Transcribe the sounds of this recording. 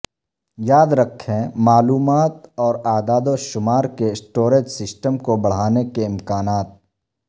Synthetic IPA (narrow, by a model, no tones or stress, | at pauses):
jaːd̪ɾɐkʰːẽmaːluːmaːt̪ɔːɾaːd̪aːd̪oʃʊmaːɾkesʈoːɾeːd͡ʒsɪsʈəmkobɐɽ̤aːnekeɪ̃mkaːnaːt̪̚